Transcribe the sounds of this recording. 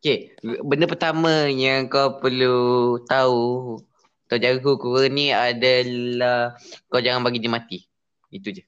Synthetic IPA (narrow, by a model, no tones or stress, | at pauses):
okebəndəpərt̪amə̃jaŋŋkawpərlut̪au | k̪awd͡ʒaɡikukuɣəniadalahkawd͡ʒaŋanbaɡidimãt̪i | it̪ud͡ʒə